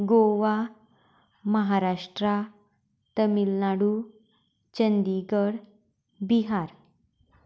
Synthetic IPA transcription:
ɡoʋa | məɦaɾaʂʈɾa | t̪əmilnaɽu | t͡ɕənd̪iɡəɽ | biɦaɾ

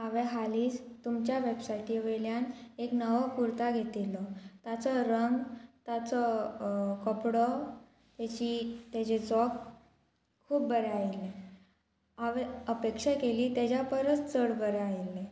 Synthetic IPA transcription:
aʋeɦaliːd͡zt̪umt͡ɕjaʋebsajʈiʋeljaneknəʋɔkuɾt̪aɡʱet̪ilɔt̪at͡sɔɾəŋɡt̪at͡sɔ | kəpɽɔ | t̪et͡ɕit̪jat͡ɕed͡zɔk | kʰːuːpbəɾeailːe | aʋeəpekʂakeliːt̪ad͡ʑapəɾət͡st͡səɽbəɾeailːe

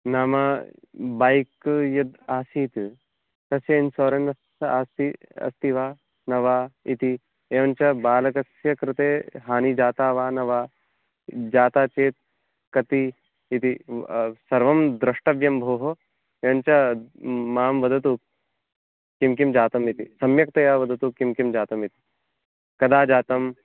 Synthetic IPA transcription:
naːmaː | baːjkjɐd̪aːsiːt̪ | t̪ɐsjɐnsoːɾɐnɐ | aːst̪iɐ̰st̪iʋaː | nɐʋaːit̪i | eːʋɐnt͡ʃɐbaːlɐkɐsjɐkɾɪt̪eːɦaːnid͡ʒaːt̪aːʋaːnɐʋaː | d͡ʒaːt̪aːt͡ʃeːt̪̚ | kɐt̪i | it̪isɐɾʋɐmd̪ɾɪʂʈɐʋjɐmbʱoːɦo | eːʋɐnt͡ʃɐ | maːmʋɐd̪ʱɐt̪uk̚ | kːimkimd͡ʒaːt̪ɐmit̪isɐmjɐk̚t̪ɐjaːʋɐd̪ʱɐt̪ukːimkimd͡ʒaːt̪ɐmit̪i̥ | kɐd̪aːd͡ʒaːt̪ɐm

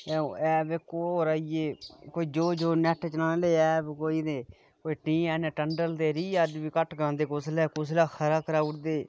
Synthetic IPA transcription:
ɛːɛːbekoːoːɾaːieːkoːiːd͡ʒoːd͡ʒoːnɛʈʰt͡ʃənaːneleːɛːbkoːiːneː | koːiːʈĩːɛːnɛ̃ːʈəɳɖəlt̪eːɾiːəd͡ʒbiːkəʈʰɡãːnd̪eːkʊslɛːkʊs̬laːkʰəɾaːkəɾaːʊʈd̪eː

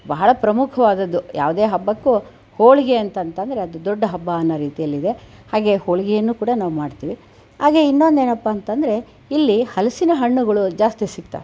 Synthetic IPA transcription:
bɐɦɐɭɐpɾɐmukʰɐʋaːd̪ɐd̪ːuja̰ːʋud̪e̞ːɦɐbːɐkːu | hoːɭiɡeɐnt̪ɐnt̪ɐnd̪ɾe̞ɐd̪ud̪ɔɖːɐɦɐbːaːnːɐɾiːt̪ijɐlːid̪e̞ | haːɡe̞hoːɭiɡɛjɐnːuːkuːɽɐnaːʋumaːɽt̪iːʋi | haːɡe̞inːo̞nd̪e̞ːnɐpːaːnt̪ɐnd̪ɐɾe̞ | ilːihɐlɐsinɐɦɐɳːuɡɐɭud͡ʒaːst̪isik̚t̪a̰

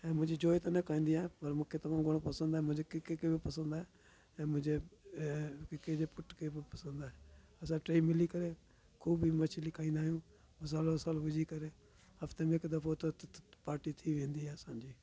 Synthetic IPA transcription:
ɛ̃ːmʊ̃d͡ʒeːd͡ʒoːit̪anẽkãːĩːnd̪iãːpəɾmʊkʰːeːt̪əʋãːɡʊ̃pəsənd̪aːɛːmʊd͡ʒeːkɪkːekebepəsə̃nd̪aːɛː | ɛ̃ːmʊ̃d͡ʒeː | kked͡ʒeːpʊʈkepəsənd̪aːɦɛː | əsãːʈɾeːimɪliːkəɾeː | kʰuːbimət͡ʃliːkʰãːĩːnd̪aːjõː | məs̬aːlosaːlʋʊd͡ʒiːkəɾeː | həft̪eːmẽːɪkd̪əpʰoːt̪opaːɾʈiːt̪ʰiːʋẽːnd̪iːɛːsãːd͡ʒiː

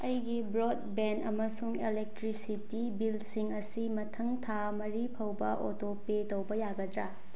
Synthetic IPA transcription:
ɐjɡibɾod̚benɐmɐsuŋelek̚tɾisitibilsiŋɐsimɐtʰɐŋtʰa | mɐɾipʰɐwbɐʔotopetɐwbɐjaɡɐdɾa

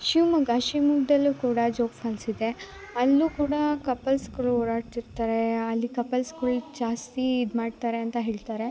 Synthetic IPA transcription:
ʃiʋmɐɡɐʃimuɡd̪ɐlːukuːɽɐd͡ʒoːkfʰaːlsid̪e̞ | ɐlːuːkuːɽɐkɐpːɐlskɐɭuoːɾaːɽt̪iɾt̪aːɾeɐlːikɐpːɐlskuɭd͡ʒaːst̪iːd̪maːɖt̪aːɾe̞ɐnt̪ɐɦeːɭt̪aːɾe̞

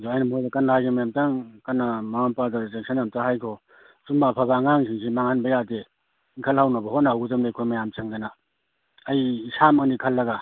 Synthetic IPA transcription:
doajnamojdakanahajɡemajamtaŋkanamaŋampadazek̚sʰanjamtahajkʰɔ | sumbaːpʰabaːŋaŋsiŋsimaŋhanbajade | iŋkʰalhawnabaɦotnahawɡzamnakʰojmajamsʰaŋzanaː | jsamanikʰalːɐɡa

